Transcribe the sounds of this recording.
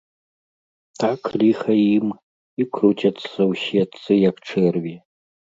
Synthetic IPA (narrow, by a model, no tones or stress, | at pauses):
t̪ʰakʰlʲixɐjim | ikʰrutʲɐt̪sɐwɕɛt̪sɨjakʈ͡ʂʰɛrvʲi